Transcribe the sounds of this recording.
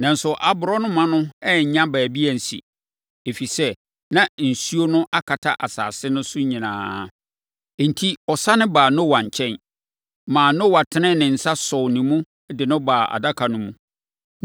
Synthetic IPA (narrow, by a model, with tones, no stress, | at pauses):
nã˨n̩˦sʊ˨ʔa˨bʊ˨ɾɔ˦nʊ̃˦mã˦nʊ̃˦ɛ˦ɲ̩˨ɲã˦bæː˨bi˦æ˨n̩˨sḭ˨ | e˨fi˨sɛ˦ | nã˨n̩˨su˦o˦nʊ̃˦ʔa˦kʰa˨tʰa˦ʔa˨sa̰ː˨sɪ˦nʊ̃˦sʊ˦ɲĩ˨nãː˨˦˨ | n̩˨tʰi˦ɔ˨sa˦nɪ̃˦baː˨nʊ̃˦wa˨ɲ˨t͡ɕʰɛ̃˦n | mãː˨nʊ̃˦wa˨tʰɪ˦nɪ̃˦nɪ̃˨n̩˨sa˦sɔ˨nĩ˨mũ˦ | dɪ˨nʊ̃˦baː˨ʔa̰˨da˦kʰa˨nʊ̃˦mũ˦˨